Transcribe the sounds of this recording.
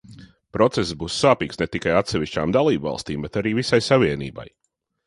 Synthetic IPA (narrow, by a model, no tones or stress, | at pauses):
pɾɔt̪sɛszbuːsːaːpiːksnɛt̪ikajat̪sɛvʲiʃt͡ʃaːmd̪alˠiːbvɑ̰lˠst̪iːmbɛt̪aɾiːvisajsaviɛnḭːba̰j